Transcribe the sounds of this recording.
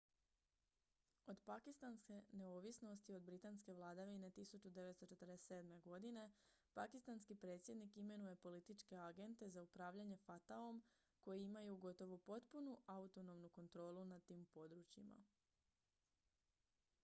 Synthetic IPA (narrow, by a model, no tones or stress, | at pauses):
o̞d̪pakist̪anske̞ne̞oʋisno̞st̪io̞d̪bɾit̪anske̞ʋlˠaːd̪aʋine̞t̪isut͡ɕud̪eʋe̞t̪st̪o̞t͡ʃe̞t̪ɾd̪ese̞ːd̪me̞ɡo̞d̪ine̞ | pakist̪anskipɾe̞ːt̪sje̞d̪nikime̞nuje̞po̞lit̪it͡ʃke̞aɡe̞nt̪e̞zaupɾaːʋʎaɲe̞fat̪aom | ko̞jiimajuɡo̞t̪o̞ʋopo̞t̪punuʔaut̪o̞no̞mnuko̞nt̪ɾo̞ːlˠunat̪iːmpo̞d̪ɾut͡ɕjima̰